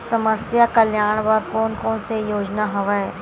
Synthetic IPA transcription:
səməsjakəljaːɳ̃ʋɐɾkoːnkɔːnsejoːd͡ʒnaɦɐʋaɛ

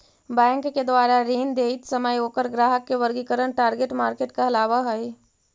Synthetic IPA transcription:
bɛ̃ːŋkked̪waːɾaɾiːnd̪eːɪt̪sɐməjoːkəɾɡɾaːɦəkːeʋɐɾɡikəɾəɳʈaːɾɡeʈmaːɾkeːʈkaɐlaːʋaɦoi

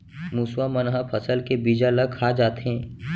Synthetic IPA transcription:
muːswamənɦapʰəsəlkebiːd͡ʒaləɡ̚kʰaːd͡ʒaːt̪eɦɛ̃ː

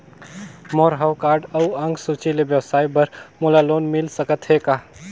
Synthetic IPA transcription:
moːɾɦawkaːɾɖəuə̃ŋɡsut͡ʃilebjəwsaːibəɾmulaloːnmɪlsəkət̪ɦekaː

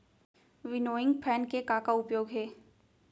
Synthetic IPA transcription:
ʋɪnoːɪ̃ŋɡpʰɛːnkekaːkaʊpjoːɡɦɛː

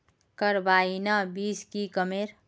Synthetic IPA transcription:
kəɾbaːinabiːskikəmeːɾ

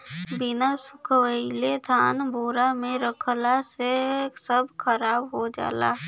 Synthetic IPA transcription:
bɪnasʊkʰwəɪled̪ʱaːnboːɾamẽɾəkʰlasesəbʱkʰəɾaːbɦod͡ʒa̰ːla̰ː

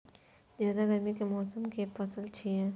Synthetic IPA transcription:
zjaːd̪aɡəɾmikemɔːsəmkepɐsəlt͡ʃʰiɛ

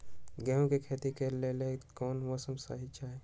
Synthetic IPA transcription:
ɡɛ̃ːɦõkekʰeːt̪ikeɾlelekɔːnʋɔːsəmsa̰ːɦit͡ʃaːɦe

